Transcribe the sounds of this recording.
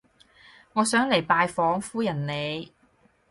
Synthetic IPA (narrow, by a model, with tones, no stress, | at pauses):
ŋɔː˨˧sœː˨˥ŋle˨˩jpaː˧jfɔː˨˥ŋfuː˥jɐ˨˩nne˨˧j